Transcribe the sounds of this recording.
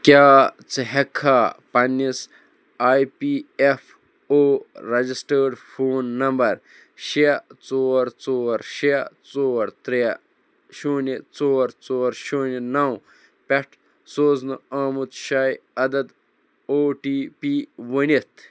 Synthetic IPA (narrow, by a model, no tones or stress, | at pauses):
kʲaːt͡sɨɦekʰːaːpɐnːis | aːjpiefʰ | oːɾɐd͡ʒisʈəːɖfʰoːnːɐmbɐɾ | ʃiɐt͡soːɾt͡soːɾʃiɐt͡soːɾt̪ɾijɐ | ʃoːnit͡soːɾt͡soːɾʃoːninɐw | pʲeʈʰ | soːznɨaːmut̪ʃaːjɐd̪ɐd̪ | oːʈiːpiːʋunit̪